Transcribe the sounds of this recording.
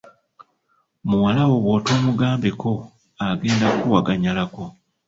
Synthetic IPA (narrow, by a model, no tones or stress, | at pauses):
muwalawo̞βwo̞ːtoːmuɡaːmbe̞kʰo̞ | aɡe̞ːndakuwaɡaɲalako̞